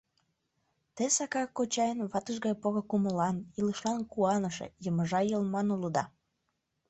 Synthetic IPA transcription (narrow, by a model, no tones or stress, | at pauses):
t̪esɑkɑkot͡ɕɑjənβɑt̪əʃɣɑjpoɾokuməlɑniləʃlɑnkuɑnəʃḛjəməʒɑjəlmɑnuləd̪ɑ